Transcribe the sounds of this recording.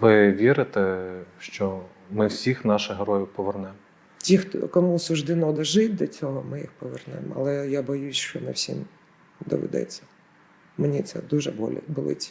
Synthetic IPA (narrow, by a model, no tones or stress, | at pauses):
ʋɪʋʲiɾɪt̪ɛʃt͡ʃɔ | mɪwsʲixnɑʃɪɦɐɾɔjʊwpɔʋernɛmɔ | tʲixt̪ɔ̰kɔmusʊʒd̪ɪnɔd̪ɐʒɪt̚ʲd̪ɔt͡sʲɔɦɔmɪjixpɔʋernɛ̰mɐ̰lˠɛjabɔjusʲʃt͡ʃɔnɪwsʲḭm | d̪ɔ̰ʋḛd̪ɛ̰t͡sʲːɐ̥ | menʲit̪sɛ̰d̪uʒɛbɔl̰ʲbɔlˠɪ̰t͡sʲi̥